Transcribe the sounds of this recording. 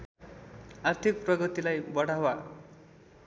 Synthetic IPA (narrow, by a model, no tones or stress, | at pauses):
art̪ʰik̚prʌɡʌt̪ilajbʌɽawa